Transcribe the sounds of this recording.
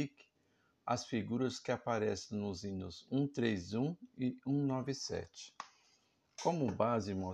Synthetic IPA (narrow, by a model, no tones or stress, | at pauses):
ik | ɐ̰sfiɡuɾɐskɪapaɾɛsẽnʊzĩnʊzũt̪ɾezũɪũnɔvɪsɛ̰t͡ʃɪ̥ | kõmʊbazɪmɔ